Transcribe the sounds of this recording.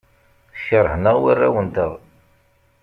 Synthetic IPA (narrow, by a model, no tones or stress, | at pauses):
çəɾˤəhnəʁwirˤːawənt̪əð